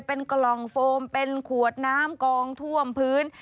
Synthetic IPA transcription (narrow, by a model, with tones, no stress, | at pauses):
pe˧nklɔ˨˩ŋfoː˧mpe˧nkʰu˨˩ət̪̚naː˦˥mkɔː˧ŋt̪ʰu˥˩əmpʰɯː˦˥n